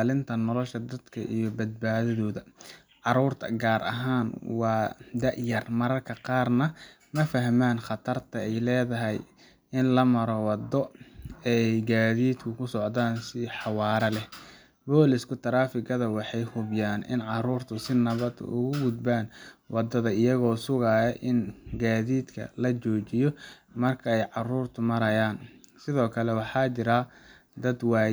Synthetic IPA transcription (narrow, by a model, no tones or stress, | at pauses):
lɪnt̪ʰɐnɔlɔʃɐd̪ɐd̪kʰɐ̰ʔijɔbɐd̪̚baːðɐðɔːðɐ | ʕɑɾuːrt̪ʰɐ̰ɡaːɾɐ̰ɦaːnwɑːd̪ɐʔjɐrmɐɾɐrkʰɐqɑːrnɐ | mɐfɐɦmaːnχɑt̪ʰɐrt̪ʰɐɛjlɛːðɐɦɛj | ɪnlɐmɐɾɔwɑd̪ːɔɛjɡaːðiːd̪kʰʊkʰʊsɔʕd̪aːnsɪħɑwɑːɾɐlɛ | bɔːlɪskʰʊt̪ʰɐɾaːfɪɡɐðɐwɑħɑjhʊbjaːnʔɪ̰nʕɑruːrt̪ʰʊsɪnɐβɐd̪̰ʔʊ̰ɣʊɡʊd̪baːnwɑd̪ɐðɐɪjɐɣɔːsʊɣaːjɐʔɪnɡaːðiːd̪kʰɐ̰lɐt͡ʃɔːt͡ʃɪjɔ | mɐrkʰɐɛjʕɑruːrt̪ʰʊmɐɾɐjaːnsɪðɔːkʰɐlɛwɑħɑːt͡ʃɪɾɐ | d̪ɐd̪waː